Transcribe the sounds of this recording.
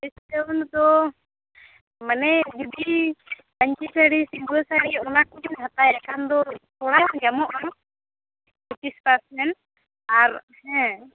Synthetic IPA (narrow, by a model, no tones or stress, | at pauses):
ist̪ɛnd̪ɔ | manɛd͡ʒudi | baɲt͡ʃisaɽisiŋɡɔlsaɽiɔnak̚ɛnhat̪ajakand̪ɔsɔɽajɔnd͡ʒamɔʔɔn | uʈispasmɛn | aɾ | ɛ̃